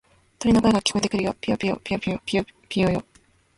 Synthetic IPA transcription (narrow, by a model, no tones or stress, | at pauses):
t̪oɾʲinokaeɡakʲi̥ko̞ed̪ekiɾɯjopʲijopʲijo̰pʲiopʲiopʲiopʲijojo